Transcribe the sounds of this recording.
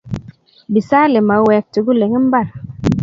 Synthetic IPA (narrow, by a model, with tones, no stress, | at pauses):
bi˨sa˦le˨ma˨˦wɛ˨k̚tu˨ɡu˦le˨ŋi˦m̩˦ba˦˨l